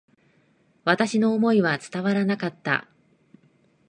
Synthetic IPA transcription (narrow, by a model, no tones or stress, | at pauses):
βat̪aɕino̞ːmo̞iβat͡sɨ̥t̪aβaɾanakat̪ːa̰